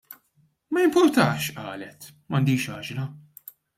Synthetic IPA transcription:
mɐjɪmpʊɾt̪ɐːʃʔɐ̰ːlɛt̪ | mɐnd̪iːʃɐːd͡ʒnɐ

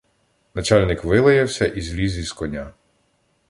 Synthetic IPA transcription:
nɐt͡ʃalʲnɪkʋɪlˠɐjɐwsʲɐʔizʲlʲizʲiskɔnʲa

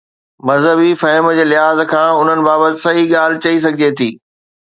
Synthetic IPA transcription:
mɐzɦəbifɐɦɪmd͡ʑeːlɪɦaːzkʰãːʊn̤ənɪ̆baːbət̪ɪsɐiɠaːl̤ɪ̆t͡ɕɐis̬ɐɡʱɪd͡ʑet̪ʰiː

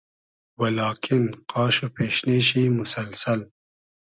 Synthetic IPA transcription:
wɐlɑːkʰɪnqɑːʃopʰeːʃneːʃiːmʊsɐlsɐl

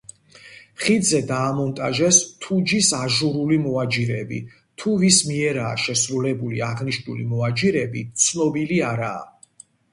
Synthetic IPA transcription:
χid̪zɛd̪aːmɔnt̪ʼaʒɛst̪ʰud͡ʒisaʒuɾulimɔad͡ʒiɾɛbḭ | t̪ʰuvismiɛɾaːʃɛsɾulɛbuliaʁniʃnulḭmɔad͡ʒiɾɛbit̪sʰnɔbiliaɾa̰ː

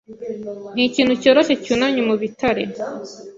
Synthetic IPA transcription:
niciːn̤ucoɾoʃecunaɲumuβitʰaɾe

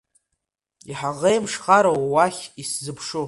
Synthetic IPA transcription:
iħaʁejmʂχaɾowwaχʲiszɨpʰʂu

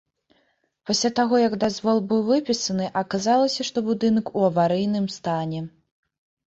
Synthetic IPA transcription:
pasʲlʲat̪aɣɔjɐɡd̪azvɔlˠbɨwvɨpʲisɐnɨʔɐkazalˠɐsʲɐʂt̪ɔbud̪ɨnɐkuɐvaɾɨjnɨmst̪anʲɛ

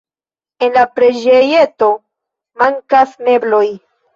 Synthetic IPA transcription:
e̞nlapɾed͡ʒeje̞to̞ | maŋkasme̞blo̞j

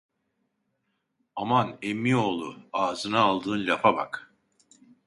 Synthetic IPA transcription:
amanemːio̞ːlˠṵaːzɯnaːlˠd̪ɯːnʎʲapʰaba̰k

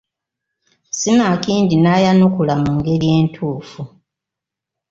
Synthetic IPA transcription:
sinakiːndinaːjanukulamuːŋɡe̞ɾje̞ːntʰuːfu

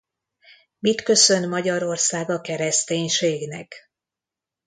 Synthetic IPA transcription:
mit̪kø̞sø̞nmɒɟɒɾo̞rsaːɡɒkɛɾɛst̪eːɲʃeːɡnɛk

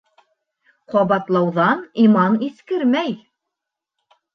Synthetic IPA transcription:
qɑβɑt̪lˠɑwðɑnimɑniθkɘɾmæj

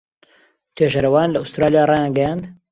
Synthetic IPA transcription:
t̪ʰweːʒɐɾɐwaːnlɐust̪ɾaːlijaːrˤɑːjãːnɡɐjãːnd̪

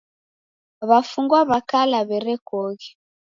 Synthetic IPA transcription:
βafuŋɡwaβakalaβɛɾɛkɔɣɛ

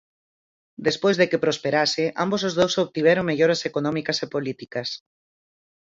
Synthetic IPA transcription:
d̪espojzðekepɾospeɾasɪʔa̰mbos̬ʊzðowsoβt̪iβɛɾoŋmeʎoɾɐsekonɔ̃mikɐsepolit̪ikɐs

